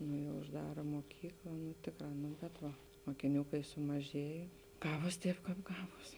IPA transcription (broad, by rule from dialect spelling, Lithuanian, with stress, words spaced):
nʊ jɛʊ ʊʒˈdɑːrɐ muɔˈkʲiːklˠɐ nʊ ˈtʲeːkˌrɑː nʊ bʲɛt ˈʋɐ moːkʲɪˈnʲuː kɐɪ sʊmɐˈʒʲeːjɛ ˈɡɑːʋoːs ˈtʲɛːp ˈkɑːp ˈɡɑːʋoːs